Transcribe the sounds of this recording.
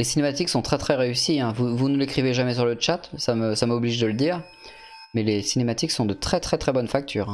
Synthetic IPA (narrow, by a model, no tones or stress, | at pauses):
lesinemat̪iksɔ̃t̪χɛt̪χɛʁeysiɛ̃vuvunəlekχiveʒamɛs̬yʁlət͡ʃat̪saməsamɔbliʒd̪ələd̪iːʁ | mɛlesinemat̪iksɔ̃d̪ət̪χɛt̪χɛt̪χɛbɔnfak̚t̪ʰyːʁɛ̃